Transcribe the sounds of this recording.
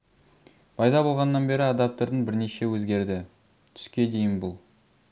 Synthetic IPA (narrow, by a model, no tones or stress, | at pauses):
pʰɑjd̪ɑbo̞lˠʁɑnːɑnbe̞ɾɪɑd̪ɑp̚t̪əɾd̪ənbɪɾne̞ʃe̞wɵzɡʲe̞ɾd̪ɪ | t̪ʰʏ̥skʲe̞d̪e̞jɪnbʊlˠ